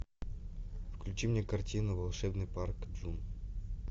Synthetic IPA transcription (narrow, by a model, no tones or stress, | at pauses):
fklʲʉt͡ɕimnʲekɐrtʲinʊvɐlˠʂɛbnɨjparkd͡ʒun